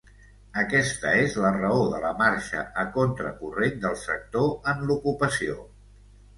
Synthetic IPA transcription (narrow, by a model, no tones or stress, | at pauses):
əkɛst̪əezlərəoðələmaɾʃə̰ʔəkont̪ɾə̰kurend̪əlˠsək̚t̪oənlukupəsio̰